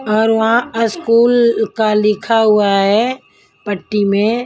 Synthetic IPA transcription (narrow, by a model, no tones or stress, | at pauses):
ɔːɾʋɐɦãəskuːlkalɪkʰaɦʊaɦɛː | pəʈːimẽ